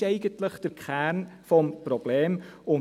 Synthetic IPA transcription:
ɛɪɡəntləχd̥əɾkʰχæːɾnfɔmpɾɔb̥leːmʊn

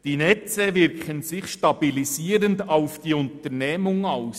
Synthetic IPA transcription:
d̥inɛt͡səʋɪɾkχənsɪχʃtɑb̥ilisiːɾəndaʊfd̥iʊnt̪əɾnɛːmʊŋaʊs

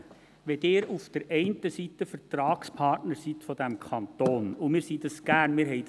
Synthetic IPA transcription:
ʋɛd̪ɪːɾufd̥əɾɛɪntəsit̪əfəɾtɾɑːkspʰɑrtnəɾsit̪fɔd̥̪æmkʰɑnt̪oːnumɪːɾsid̪ɑsɡ̥æːɾnmɪːɾɦɛɪ

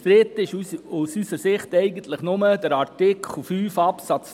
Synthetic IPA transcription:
tɾetɪʃusysəɾsɪχtɛɪɡən̩t̪ləχnʊməd̥əɾɑɾtɪkʰl̩fyːfɑpsɑt͡s

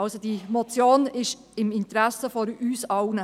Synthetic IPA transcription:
ɑlsod̥imɔt͡sjoːnɪʃ | ɪmɪnt̪ɾæsəfɔɾyːsɑʊnə

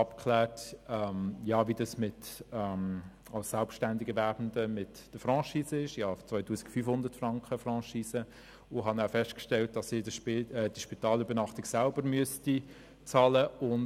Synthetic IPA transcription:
ɑpkʰlɛːtɛmjɑːvidɑsmɪtɛm | ɑlssɛlpʃtændɪɡəvæɾbən̩dəmɪt | d̥əfɾɑ̃ːʃiːsəɪʃjɑːt͡svœʏtuːsɪ̥kfyːfhʊndətfrɑŋkχəfrɑ̃ːʃiːsə | ʊɦɑnafɛstkʃtɛlt̚d̥ɑsɪdpɛd̥iʃpitɑːlybəɾnɑχtɪɡsælb̥əɾmyəsti | t͡sɑːləʊn

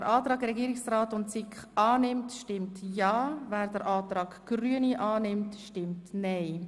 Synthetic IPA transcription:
əɾʔɑːtɾɑːɡɾɛɡiːɾɪksraːtʊntsɪkχɑːnɪmtʃtɪmtjɑːvɛːɾdəɾʔɑːt̪ɾɑːɡɡ̥ɾyəniʔɑːnɪmtʃtɪmtnɛɪ

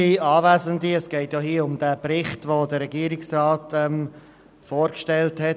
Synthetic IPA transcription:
iɑːvæːzəndiɛsɡ̥ɛɪtjoɦiːəʊmd̥æːbɾɪχtʋodəɾɛɡiːɾɪksrɑːtɛm | foːɾkʃtɛlthɛ

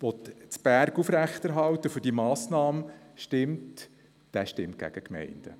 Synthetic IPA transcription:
ʋɔtt͡sb̥æɾɡufɾæxt̪ɛɾɦɑlt̪əfʏd̥imɑːsnɑːmʃtɪmt | d̥æːʃtɪmt̚ɡ̥æ̰ɡ̥əkmɛ̰ɪnd̥ə̰

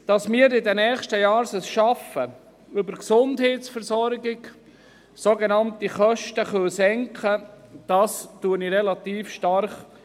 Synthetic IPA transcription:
d̥ɑsmɪːɾɪdɛnɛːχʃtəjɑːɾsəsʃɑfə | ʏbəɾksʊndɦeːtsfɛɾsɔɾɡɪɡ | soɡenɑntiχœʃtəχœlsɛŋkχə | d̥ɑstuːəniɾɛlɑt̪iːfʃtɑɾχ

